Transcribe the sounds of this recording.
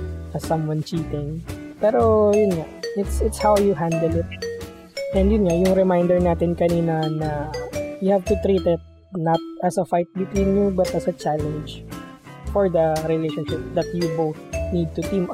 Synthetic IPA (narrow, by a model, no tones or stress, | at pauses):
ʔɐsɐ̃mwɐ̃nt͡ʃiːt̪ɪŋpɛːɾo̞jʊnŋaʔɪt̪sɪt̪shawjʊɦãnd̪ɛlɪt̪̚ | ʔɛ̃nd̪jʊnŋajʊŋɾɛmajnd̪ɛɹnaːt̪ɪnkɐniːnɐnɐjʊhavt̪ʊt̪ɾiːt̪ɪt̪̚ | nɐt̪̚ɐsɐfajt̪̚bɪt̪wĩnjubɐt̪ɐsɐt͡ʃalɛ̃nd͡ʒ | fɔɹd̪ɐɾɪlejʃɔ̃nʃɪp̚d̪ɐt̪̚jʊbowθnid̪̚t̪ʊt̪ĩm